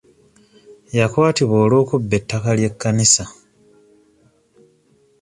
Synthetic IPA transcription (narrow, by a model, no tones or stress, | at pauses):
jakwaːtiβo̞ːlo̞ːkubːe̞tːakalje̞kːanisa